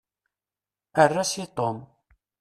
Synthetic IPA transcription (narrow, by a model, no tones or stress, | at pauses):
ərːasit̪ˤom